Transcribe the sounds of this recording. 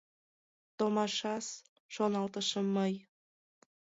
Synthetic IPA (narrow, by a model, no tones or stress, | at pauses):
t̪omɑʃɑs | ʃonɑlt̪əʃəmːəj